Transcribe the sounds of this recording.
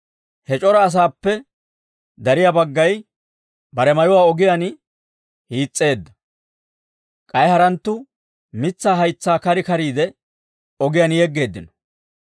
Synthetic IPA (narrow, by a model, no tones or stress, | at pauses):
hɛt͡ʃʼɔɾɐːs̬aːpːɛ | d̪ɐɾɪjabɐɡːɐj | bɐɾɛmɐjɔwaːɔɡɪjan | hiːt͡sʼːe̞ːd̪ːɐ | kʼɐjhɐɾɐnt̪ːʊ | mɪt͡sːaːɦɐjt͡sːaːkɐɾɪkɐɾiːd̪ɛ | ɔɡɪjanjɛɡːe̞ːd̪ːɪnɔ̥